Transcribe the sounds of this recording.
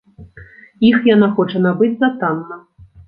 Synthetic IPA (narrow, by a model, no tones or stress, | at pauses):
ixjanaxɔt͡ʂɐnabɨd͡zʲzat̪anːɐ